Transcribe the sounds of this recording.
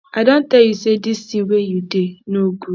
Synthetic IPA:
aɪdõn̩tɛljusedistĩwejudenoɡu

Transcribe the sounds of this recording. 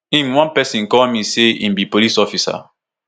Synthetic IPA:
ĩnwãnpɛsĩnkɔlmiseḭ̃mbipolisɔfisa̰

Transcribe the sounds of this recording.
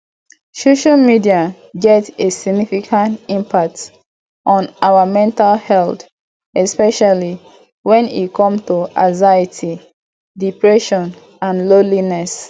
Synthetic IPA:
soʃalmidia | ɡɛtesiɡnifikʰãntĩmpʰak̚t | ʔɔ̃nʔawamɛ̃ntalhɛlt | ɛspɛʃali | wɛ̃nḭkʰɔ̃mtuazaitʰi | dipɹɛʃɔ̃n | ãnlolinɛs

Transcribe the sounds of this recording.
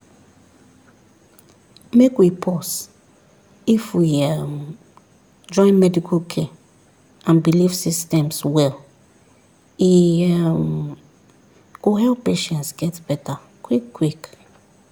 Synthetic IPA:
mekwipʰɔs | ifwiɛm | d͡ʒɔ̃ɪ̃nmɛdikʰokʰe | ãnbilifsistɛ̃mswɛl | im | koɦɛlpːeʃɛ̃ntsɡɛtbɛta | kwikːwik

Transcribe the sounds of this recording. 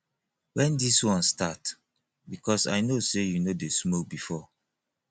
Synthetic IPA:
wɛ̃ndiswɔ̃nstat | bikɔsa̰jnosejunodesmok̚bifɔ

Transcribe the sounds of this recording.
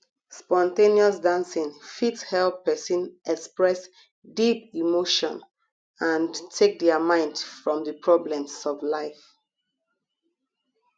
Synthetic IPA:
spɔ̃ntẽniɔsdãnsĩŋfitshɛlpɛsĩnɛkspɹɛs | dipimoʃɔ̰̃n | ãntʰek̚dɛəmãɪ̃ndfɹɔ̃mðəpʰɹɔblɛ̃msɔvlaɪf

